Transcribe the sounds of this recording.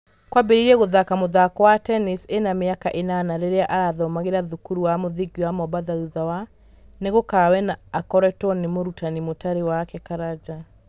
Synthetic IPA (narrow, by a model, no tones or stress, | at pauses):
kwabeɾiɾɛɣoðakamoðakɔwatɛnisenameakaʔenanaɾeɾeaʔaɾaðɔmaɣeɾaðukuɾuwamoðiɡiwamɔbaðaðuðawa | neɣokawɛnaːkɔɾɛtɔnemoɾutanimotaɾewakɛkaɾad͡ʒa